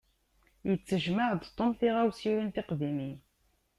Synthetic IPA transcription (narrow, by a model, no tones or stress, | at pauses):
jət͡sːəʒməʕd̪t̪ˤːomθiʁæwsiwint̪ɪqðimi